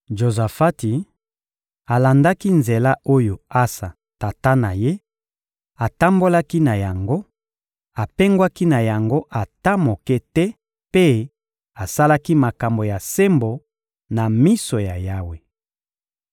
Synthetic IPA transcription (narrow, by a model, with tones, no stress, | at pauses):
ʒo˨za˨fa˦ti˨ | a˨la˨nda˦ki˦nze˨la˦ʔo˦jo˨a˦sa˨ | ta˨ta˦na˨je˦ | a˨ta˦mbo˦la˦ki˦na˨ja˨ŋɡo˦ | a˨pɛ˦ŋɡwa˦ki˦na˨ja˨ŋɡo˦ʔa˨ta˦mo˨kɛ˦tɛ˦ | pe˦ | a˨sa˦la˦ki˦ma˨ka˨mbo˨ja˨se˦mbo˨ | na˨mi˦so˨ja˨ja˦we˨